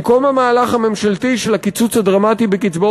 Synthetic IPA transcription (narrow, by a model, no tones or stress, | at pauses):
ko̞mamaːlaχame̞mʃaltiʃelakit͡sut͡shadʁamatibekit͡sbo